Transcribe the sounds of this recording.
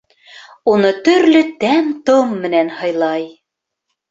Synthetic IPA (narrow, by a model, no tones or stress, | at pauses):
unɤt̪ɵ̆ɾlɵt̪æmt̪omːɘ̆nænhɤ̆jlˠɑj